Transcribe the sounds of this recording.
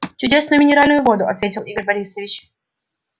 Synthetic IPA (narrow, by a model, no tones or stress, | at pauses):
t͡ɕʊdʲe̞snʊjʊmɪnʲɪɾalʲnʊjʊvo̞d̪ʊɐ̰t̪vʲetʲɪlˠiɡəɾʲbɐɾʲisəvʲɪt͡ɕ